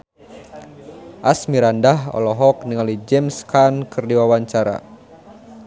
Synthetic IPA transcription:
ʔasmiɾandaɦɔ̰lɔɦɔk̚niŋalid͡ʒɛmskankɨrdiwawaɲt͡ʃaɾa̰

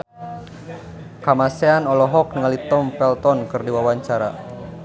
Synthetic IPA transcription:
kamaseanɔlɔɦɔk̚nəŋalit̪ɔmpɛlt̪ɔnkɨrdiwawaɲt͡ʃaɾa

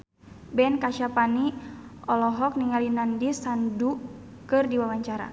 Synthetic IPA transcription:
bɛnkaʃapaniɔlɔɦɔk̚niŋalinandisandu | kɨrdiwawaɲt͡ʃaɾa̰

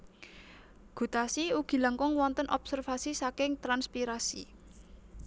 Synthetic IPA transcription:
ɡ̥ṳt̪asiuɡ̥i̤laŋkɔŋwɔnt̪ənʔɔb̥sərfasisakɪŋt̪ɾanspiɾasḭ

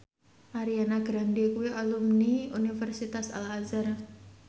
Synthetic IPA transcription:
ʔaɾianaɡɾandikueʔalumniunifɛrsit̪asa̰lazar

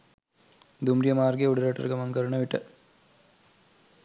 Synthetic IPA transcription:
d̪umɾjɐmaːɾɡeuɽuɾɐʈːɐ̰ɾɡɐmɐmkɐɾuɳɐʋiʈːɐ

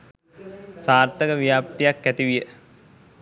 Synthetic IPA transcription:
saːrt̪əkəʋijaːpt̪ijakːæt̪iʋijə

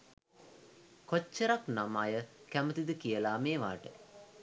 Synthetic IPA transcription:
kot͡ʃːəɾaknamajəkæmət̪id̪əkijəlaːmeːʋa̰ːʈə

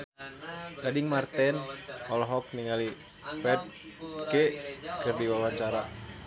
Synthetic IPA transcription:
ɡadiŋmart̪ɛnɔlɔɦɔk̚niŋali | pɛt̪̚kekɨrdiwawaɲt͡ʃaɾa

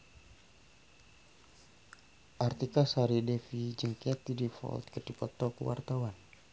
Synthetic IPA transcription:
ʔart̪ikasaɾidɛfid͡ʒəŋkɛt̪idifɔ̰lt̪̚kədipɔt̪ɔkəwa̰rt̪awan

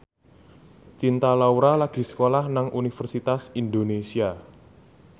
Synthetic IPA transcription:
t͡ʃint̪alauɾalaɡ̥i̤sə̥kolahnaŋunifərsit̪asind̪onesia

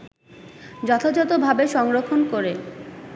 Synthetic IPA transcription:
d͡ʑɔt̪ʰad͡ʑɔt̪obʱabeʃɔŋɾokʰːonkoɾe

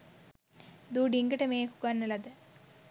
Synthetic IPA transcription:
d̪uːɖiŋɡɐʈemeːku̥kaːnɐlɐðɨ

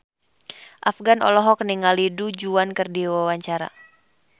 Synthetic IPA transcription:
ʔafɡanɔ̰lɔɦɔkniŋalidud͡ʒuankɨrdiwawaɲt͡ʃaɾa̰

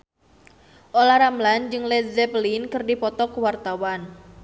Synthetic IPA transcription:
ʔolaɾamland͡ʒɨŋlɛzɛplinkɨrdipɔt̪ɔkuwart̪awan

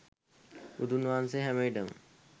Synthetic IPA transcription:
ud̪unʋanseɦɛmejɖəm

